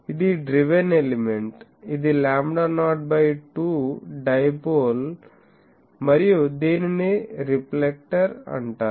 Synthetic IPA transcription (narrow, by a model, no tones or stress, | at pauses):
id̪iɖɾiʋenelimeɳʈid̪ilaːmɖaɾnaːʈ̚bɐjʈuːɖɐjboːl | mɐɾijud̪eːnineɾiplek̚ʈɐɾɐ̰ɳʈaː